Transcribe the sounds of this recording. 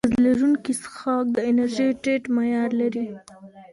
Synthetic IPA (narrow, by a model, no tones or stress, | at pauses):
zlaɾunkisxɑk̚d̪əɪnaɾʒejʈeʈmajɑɾlaɾi